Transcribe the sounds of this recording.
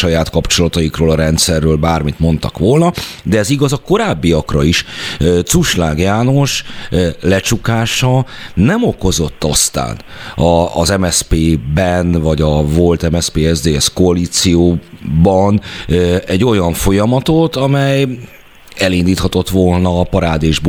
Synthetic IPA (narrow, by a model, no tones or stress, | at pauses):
ɒjaːt̪kɒpt͡ʃo̞lɒt̪ɒjikroːlɒɾɛnt̪sɛrːøːlbaːrmit̪mo̞nt̪ɒ̰kʋo̞lnɒd̪ɛɛziɡɒzɒko̞ɾaːbːiɒkrɒiʃt̪suʃlaːɡjaːno̞ʃ | lɛt͡ʃukaːʃɒ | nɛmo̞ko̞zo̞t̪ːɒst̪a̰ːnɒːzɛmɛspeːbɛnvɒɟɒvo̞lt̪ɛmɛspeːɛzd̪eːɛskoɒliːt̪sijoːbɒn | ɛɟːo̞jɒɱfo̞jɒmɒt̪o̞t̪ɒmɛj | ɛlind̪iːt̪hɒt̪o̞t̪ʋolnɒːpɒɾaːd̪eːʒb